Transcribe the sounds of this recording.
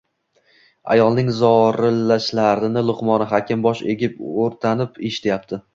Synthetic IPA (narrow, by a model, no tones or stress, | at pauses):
a̰jɒlˠnɪŋzɒɾɪlaʃlaɾɪnɪlˠʊqmɒnɪɦakʲʰɪmbɒʃe̞̰ɡʲɪpoɾt̪ʰanɪpʰeʃɪ̥t̪ʰajap̚t̪ʰɪ